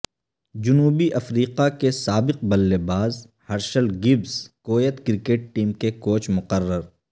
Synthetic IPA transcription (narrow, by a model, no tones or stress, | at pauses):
d͡ʒʊnuːbiʔɐfɾiːqakesaːbɪq̚bɐlːebaːz | hɐɾʃəlɡɪbzkoːjət̪kɪɾɪkeːʈ̚ʈiːmkekoːt͡ʃmʊqərːəɾ